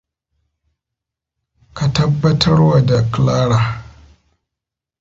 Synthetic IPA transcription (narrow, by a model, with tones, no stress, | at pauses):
ka˨tɐ˦bːɐ˦tʰɐ˦rwa˨da˨klaː˦ɽaː˨